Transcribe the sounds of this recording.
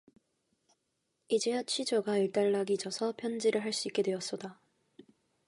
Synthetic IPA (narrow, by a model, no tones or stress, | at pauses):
id͡ʑeat͡ɕʰid͡ʑoɡaiɭt͈aɭːaɡid͡ʑʌsʰʌpʰjʌnd͡ʑiɾɯɭɦaɭs͈uik͈e̞dwe̞ʌs͈ʌda